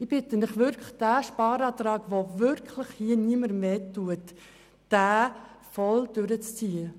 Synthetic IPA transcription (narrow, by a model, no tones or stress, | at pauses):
ɪb̥ɪtənɪχʋʏɾkʰləd̥æːʃpɑːɾɑːt̪ɾɑːɡ̥ʋovʏɾkʰləχhiəniəməɾmeːtuətː | æː | fɔld̥ʏɾət͡st͡siːə